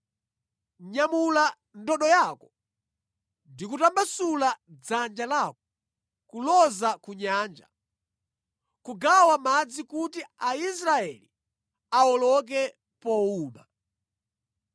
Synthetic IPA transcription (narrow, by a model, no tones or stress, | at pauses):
ɲamula | ndɔɗɔjakɔ | ndikutambasulad͡zand͡ʒalaːkɔ | kulɔzakuɲaːnd͡ʒa̰ | kuɡawamad͡zikutiais̬ɾaɛli | aɔlɔk̬ɛ | pɔuːma̰